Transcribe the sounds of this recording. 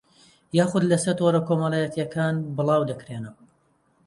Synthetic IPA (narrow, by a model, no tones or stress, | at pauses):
jaːxʊd̪lɐsɐt̪ʰoɾɐkʰomɐlˠaːjɐt̪jɐkʰaːnbɨlˠɑːwd̪ɐkɾeːnɨm